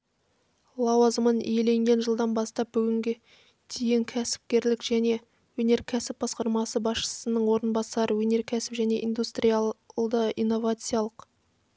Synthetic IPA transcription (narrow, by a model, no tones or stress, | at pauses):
lˠɑwɑzəmənḭje̞le̞ŋɡʲe̞nʒəlˠd̪ɑnbɑst̪ɑp̚bʏɡʲɪŋɡʲe̞ | d̪̥ʰejɪŋkʲʰæsɪ̥p̚kʲe̞ɾlɪkʒ̥æne̞ | wɵne̞ɾkʲʰæsɪp̚bɑsqɑɾmɑsəbɑsʃə̥sənəɴwo̞ɾənbɑsɑɾəwɵne̞ɾkʲʰæsɪ̥pʒæne̞̰ʔḭjnd̪ust̪rʲijad̪əijnːo̞vat̪sɨjalˠəq